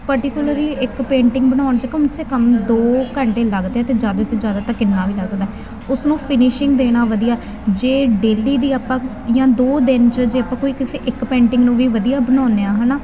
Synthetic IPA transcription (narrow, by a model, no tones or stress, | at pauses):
pəɾʈɪkjʊləɾliːɪkpẽːɳʈɪ̃ŋɡbənaːʊɳt͡ʃəkəmseːkəmd̪oːkəɳʈeːləɡd̪eːɛːt̪eːd͡ʒjaːd̪aːt̪ʰːed͡ʒjaːd̪aːt̪ãːkɪnːaːʋiːləɡsəɡd̪aɦɛː | ʊsnũːpʰɪnɪʃɪŋɡd̪eːɽ̃aːʋəd̪ijaː | d͡ʒeːɖeːliːd̪iːaːpːãː | jãːd̪oːd̪ɪnt͡ʃəd͡ʒeːəpːãːkoːiːkɪseːʔɪkpẽːɳʈɪ̃ŋɡnũːʋiːʋəd̪ijaːbənaːneːaːɦɛːnaː